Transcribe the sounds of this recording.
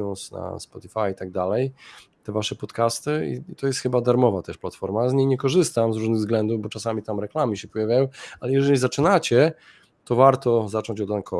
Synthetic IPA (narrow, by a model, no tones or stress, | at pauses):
ɔnsna̰spɔt̪ifajit̪aɡ̚d̪alɛjt̪ɛvaʂɛpɔt̪kast̪ɘḭit̪ɔjɛst̪xɘbad̪aɾmɔvat̪ɛʂplat̪fɔɾmazɲejɲɛkɔʐɘst̪amzɾuʐnɘɣvzɡlɛnd̪uvbɔt͡ʂasamʲit̪amɾɛklamʲiɕɛpɔjavʲjajɔ̃walɛjɛʐɛlʲizat͡ʂɘnat͡ɕɛ | t̪ɔvaɾt̪ɔzat͡ʂɔɲd͡ʑɔd̪ankʰɔ